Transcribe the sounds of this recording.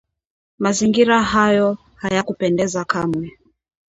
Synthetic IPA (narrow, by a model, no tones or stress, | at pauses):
maziŋɡiɾaɦajɔ | hajakupɛndɛzakamwɛ